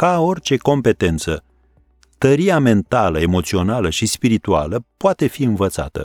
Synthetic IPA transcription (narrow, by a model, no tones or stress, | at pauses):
kao̞rʲt͡ʃe̞ko̞mpe̞t̪e̞nt̪sə | t̪əɾiame̞nt̪aləe̞mo̞t̪sio̞naləʃispiɾit̪ua̰ləpoat̪e̞fiɨnvət̪sa̰t̪ə̰